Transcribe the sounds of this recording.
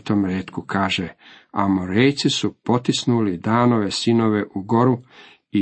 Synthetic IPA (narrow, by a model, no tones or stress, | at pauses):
t̪omɾeːt̪kukʰaːʒe | amoɾejt̪sisupo̞t̪isnulid̪aːno̞ʋe̞sino̞ʋe̞ʔuɡo̞ɾu | i